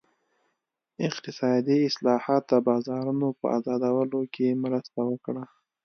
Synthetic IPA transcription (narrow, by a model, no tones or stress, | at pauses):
ɪqt̪ɪsɑd̪iɪslɑhɑt̪̚d̪əbɑzɑɾunopə̰a̰zɑd̪awəlokemɾəst̪awəkɽa